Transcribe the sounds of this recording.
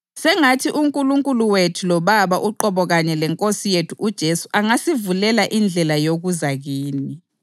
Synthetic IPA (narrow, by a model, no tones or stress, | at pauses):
sɛŋatʰiʔuŋkʼuluŋkʼuluwetʰulɔβaβaʔuǃɔβɔɣaɲɛlɛŋkʼosijetʰuʔud̥ʒ̥ʱesu̥ʔaŋasivulɛlaʔind͡ɮʱɛlajoɣuzaɣiːni